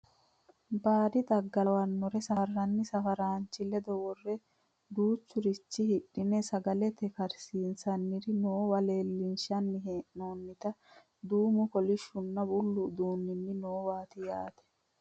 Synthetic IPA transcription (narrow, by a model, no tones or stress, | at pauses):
baːd̪ɪd̪ɐɡːɐwɐnːɔɾɛsɐɐrːɐnːɪsɐfɐɾaːnt͡ʃːɪlɛd̪ɔwɔrːɛ | d̪uːt͡ʃːʊɾɪt͡ʃːɪhɪᶑːɪnɛsɐɡɐlɛt̪ɛkɐɾsiːnsɐnːɪɾɪnoːwɐleːlːɪnʃɐnːɪɦeːʔnoːnːɪt̪ɐ | d̪uːmʊkɔlɪʃːʊnːɐbʊlːʊd̪uːnːɪnːɪnoːwaːt̪ɪjaːt̪ɛ̥